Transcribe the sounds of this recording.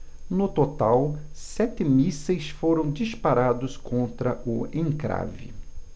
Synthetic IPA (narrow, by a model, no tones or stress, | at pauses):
nʊt̪ot̪awsɛt̪ɪmisɐjsfoɾɐ̃w̃d͡ʒispaɾad̪ʊskõnt̪ɾɐʔʊẽŋkɾa̰vɪ̰